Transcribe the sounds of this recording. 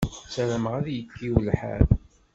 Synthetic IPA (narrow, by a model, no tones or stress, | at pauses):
sæɾəməʁæðjəkːiwlħæ̰ð